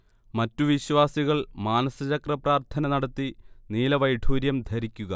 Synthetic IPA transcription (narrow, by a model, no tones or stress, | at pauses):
mɐtːuʋiɕʋaːsiɣɐɭmaːnɐsɐt͡ɕɐkrɐpraːrt̪ʰɐnɐnɐɽɐt̪ːiniːlɐʋɐjʈʰuːɾjɐmd̪ʱɐɾikʲːuɣɐ